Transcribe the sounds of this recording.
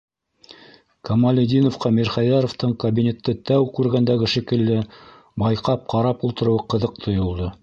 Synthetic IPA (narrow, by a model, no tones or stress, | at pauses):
kɐmalʲid̪ʲinofqɑmiɾχɑjɑɾoft̪ɤɴkɐbʲinʲe̞t̪ːɤt̪æwkʉɾɡænd̪æɡɘʃikɘ̆lːɘ | bɑjqɑp̚qɑɾɑpulˠt̪ɤ̆ɾɤ̆wɤqɤ̆ðɤq̚t̪ʰŏjŏlˠd̪ɤ